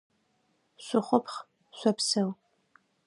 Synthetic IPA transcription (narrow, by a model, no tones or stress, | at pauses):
ɕʷʊχʷʊpχ | ɕʷɐpsɐw